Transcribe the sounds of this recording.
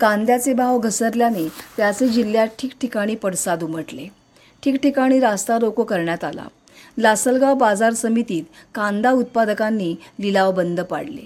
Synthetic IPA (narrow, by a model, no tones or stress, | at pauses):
kãnd̪jat͡sebʱaʋɡʱəsəɾljanet̪jat͡sed͡ʑilːjaʈʰiːkʈʰikaɽ̃iːpəɽsad̪um̤əʈle | ʈʰiːkʈikaɽ̃iːɾast̪aɾokokəɾɳjat̪a̰la̰ | lasəlɡabad͡zaɾsəmit̪iːt̪kãnd̪aut̪̚pad̪əkanːiːlilaʋbənd̪ʱəpa̰ɽlḛ